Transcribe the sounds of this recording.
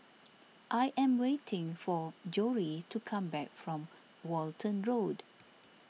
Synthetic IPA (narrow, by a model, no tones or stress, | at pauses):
ʔajʔɛ̃mwetʰɪ̃ŋfɔd͡ʒɔɹitukʰãmbɛk̚fɹɔ̃m | wɔltʰə̃nɹod